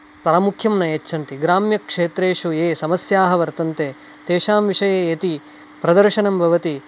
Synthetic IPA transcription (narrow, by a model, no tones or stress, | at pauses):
pɐɾɐmukʰjɐmnɐjɐtːʃʰɐnt̪iɡɾaːmjɐkʂeːt̪ɾeːʂueːsɐmɐsjaːɦɐʋɐɾt̪ɐnt̪eː | t̪eːʃaːmʋiʂɐjejet̪i | pɾɐd̪ɐɾʃɐnɐmbʱɐʋɐt̪i